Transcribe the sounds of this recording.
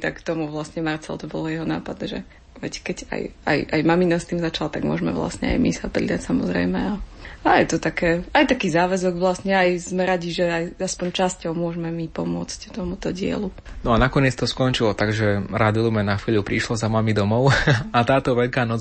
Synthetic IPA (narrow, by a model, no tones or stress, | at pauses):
t̪akt̪ɔmuʋlasɲɛmaɾt͡sɛ̰l̰t̪ɔbɔlɔjɛɦɔna̰ːpad̪nɛʒɛ̰ | ʋɛckɛɟa̰ja̰jʔa̰jmaminast̪iːmzat͡ʃalat̪aɡmʊɔ̰ʒmɛ̰ʋla̰sɲɛ̰a̰jmisapɾḭd̪acsamɔzɾɛ̰jmɛaajɛt̪ɔt̪akɛːajt̪akiːzaːʋɛzɔɡʋlasɲɛajzmɛɾaɟiʒɛajaspɔɲt͡ʃascɔʊmʊɔʒmɛmipɔmʊɔt͡sct̪ɔmut̪ɔɟɪɛ̰lu | nɔanakɔɲɪɛt͡st̪ɔskɔnt͡ʃilɔt̪aɡʒɛɾad̪ilumɛnaxiːʎupɾiʃlɔzamamid̪ɔmɔʊat̪aːt̪ɔʋɛʎkaːnɔt͡s